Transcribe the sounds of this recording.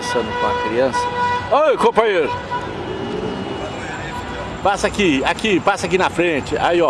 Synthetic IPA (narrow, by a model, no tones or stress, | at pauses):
sɐ̃nd̪ʊkõɐkɾiɐ̃sɐ̥ajkõpɐ̃ɲeɾʊ | pasakiakipasɐak̬inɐfɾẽt͡ʃɪʔa̰iɔ